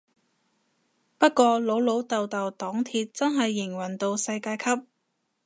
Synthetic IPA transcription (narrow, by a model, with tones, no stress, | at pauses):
pɐ˥t̚kʷɔː˧lo˨˥wlo˨˥wt̪ɐ˨wt̪ɐ˨wt̪ɔː˨˥ŋt̪ʰiː˧t̚t͡sɐ˥nɦɐ˨jːɪ˨˩ŋwɐ˨˩nt̪o˧wsɐ˧jkaː˧jkʰɐ˥p̚